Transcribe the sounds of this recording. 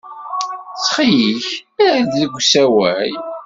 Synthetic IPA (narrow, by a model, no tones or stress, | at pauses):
t͡sχijiçæɾðləɡʷːsæwæj